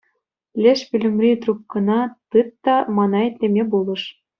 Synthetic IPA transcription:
lʲĕʃpʲylʲɘ̆mʲrʲit̪rup̚kɤ̆nɑt̪ɯt̪ːɑmɑnɑet̪ʲlʲemʲebulˠɤ̆ʂ

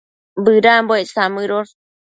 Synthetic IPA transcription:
bɨɾamboesamɨɾoɾ

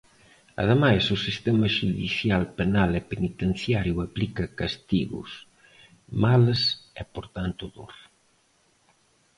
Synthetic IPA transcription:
ɐ̰ðemajsʊsist̪ɛmɐʃuðḭθjalpenalɛpenit̪enθjaɾjuaplikɐkast̪iɣʊ̰s | malsɛpoɾt̪ant̪ʊðo̰ɾ

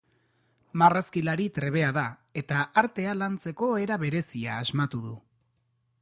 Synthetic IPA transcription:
maraskilaɾit̪ɾe̞β̞e̞aðae̞t̪aaɾt̪e̞alant͡se̞ko̞eɾaβe̞ɾe̞siaːzmat̪uðu

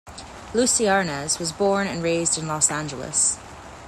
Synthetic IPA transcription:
lusiɑɹnəzwʌzbɔɹnɨ̰̃nɹeɪzdɨ̃nlɔsæ̃nd͡ʒəl̩ˠə̰s

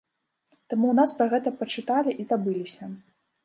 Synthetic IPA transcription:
t̪amunaspɾɐɣɛt̪ɐpɐt͡ʂɨt̪alʲiʔizabɨlʲisʲɐ

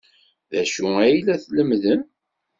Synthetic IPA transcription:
ðæʃuæjlæθləmðən

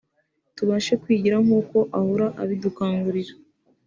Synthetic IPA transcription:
tuβaːʃekwiːɟiɾamuːko̞ʔahuɾaʔaβidukaːŋɡuɾiɾḁ

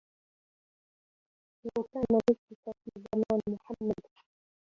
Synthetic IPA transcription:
lawkaːnalɪsɪkafiːzamaːnmʊħamːad̪

